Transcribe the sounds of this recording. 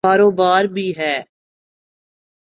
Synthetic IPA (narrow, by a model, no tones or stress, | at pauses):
aːɾoːbaːɾbʱiːɦɛː